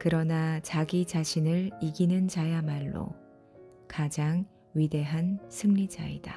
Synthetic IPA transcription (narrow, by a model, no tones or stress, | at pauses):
kɯɾʌnat͡ɕaɡit͡ɕaɕʰinɯɭiɡinɯnd͡ʑajamaɭːo̰ | kad͡ʑaŋ | ɥide̞ɦansʰɯŋɲid͡ʑa̰ḭda̰